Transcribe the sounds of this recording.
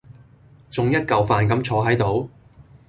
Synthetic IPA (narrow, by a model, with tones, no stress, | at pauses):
t͡sʊ˨ŋjɐ˥t̚kɐ˨wfaː˨nkɐ˨˥mt͡ʃʰɔː˨˥ɦɐ˨˥jt̪o˨˥w